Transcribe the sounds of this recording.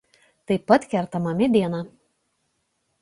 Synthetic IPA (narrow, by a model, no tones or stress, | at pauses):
t̪ɐɪpːɐt̪kʲɛɾt̪ɐmɐmʲɪd̪ʲiɛnɐ